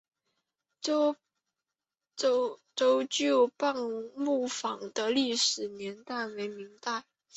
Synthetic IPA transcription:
ʈ͡ʂo˥ʊt͡ɕo˥˩pa˥˧ŋmu˥˩fɑ˨˩ŋd̪ə˦li˥˩ʂɻ̩˨˩njɛ˧˥nt̪a˥˩ɪwe˧˥ɪmi˧˥ŋt̪a˥˩ɪ

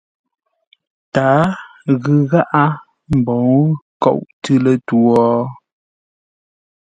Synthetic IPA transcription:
ta˨˦ɣʉ˨ɣa˦ʔa˦ | m̩˨bɔ˨˦ŋ˦kɔ̰˦˨wʔtɨ˦lə˨twɔ˦

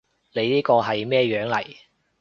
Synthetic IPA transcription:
le˨˧jniː˥kɔː˧ɦɐ˨jmɛː˥˧ɥœː˨˥ŋlɐ˨˩j

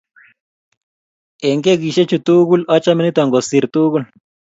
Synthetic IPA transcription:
e˨ŋɡe˦ɡi˨ʃe˦t͡ʃu˨t̪u˦ɡu˦la˦t͡ʃa˦mi˦ni˦t̪wa˨ŋɡo˨si˨ɾt̪u˦ɣu˦l

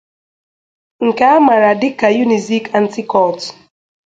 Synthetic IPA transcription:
ŋ̩˨ka˦a˦ma˨ɾa˨dɪ˦ka˨ju˦ni˨zi˦ka˦n̩˦ti˦kɔ˦˨lt

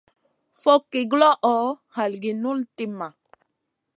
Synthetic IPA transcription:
fɔ˦kːi˨ɡlɔ˦ʔɔ˨˦ | ha˨lɡi˨nu˦lti˦ma˨

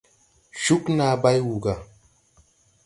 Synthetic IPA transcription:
ʃu˦kna˨ba˦jwu˨ɡa˨

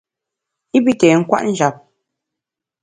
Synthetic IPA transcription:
i˦bi˦tɛ˨ŋ̩˦kwa̰˦ʔn̩˦d͡ʒa˨p̚

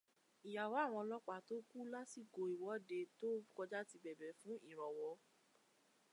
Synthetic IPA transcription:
i˨ja˨wa˨˦˨w̃ɔ̃˧lɔ˦k͡pa˨to˦ku˦la˦si˦˨ɡo˧i˨wɔ˨˦de˧to˦kɔ˧d͡ʒa˦ti˧bɛ˨bɛ˨fũ˦i˦˨ɾ̃ɔ˨wɔ˧˦

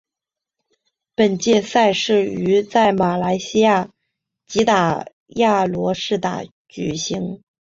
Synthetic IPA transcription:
pə˨˩nt͡ɕjɛ˥˧sa˥˧ɪʂɻ̩˥˩y˧˥t͡sa˥˩ɪma˨˩la˧˥ɪɕi˥ja˥˩ | t͡ɕi˧˥t̪a˨˩ | ja˥˩lwɔ˧˥ʂɻ̩˥˩t̪a̰˨˩ | t͡ɕy˨˩ɕi˧˥ŋ

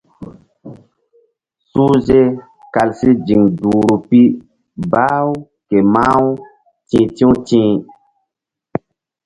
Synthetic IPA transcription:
su˦ze˦ | ka˨lsi˦d͡ʒi˨ŋduː˨ɾu˨pi˦ | baː˦w | ke˨ma˦w | tĩː˨tĩ˦tĩː˦

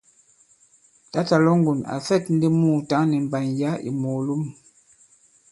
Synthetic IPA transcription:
ta˦ta˨lɔ˦ŋ˦ɡu˨na̰˨fɛ˦˨tn̩˦de˦muː˦˨ta˨˦nɛ˨m̩˨ba˨nja˨˦ḭ˨mo˨lu˦m

